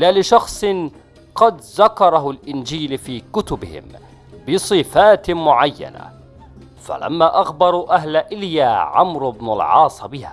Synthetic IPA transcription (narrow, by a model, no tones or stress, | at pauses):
lalɪʃɑxsˤɨn | qɑd̪ðakɑɾˤɑɦʊlʔɪnd͡ʒiːlfiːkʊt̪ʊbɪ̰hɪ̰m | bɪsˤɨfaːt̪mʊʕajːa̰na̰ | fa̰la̰mːaːʔaxbɑɾˤuʔahlaʔɪljaːʕamɾʊbnalʕɑ̰ːsˤbɪha̰ː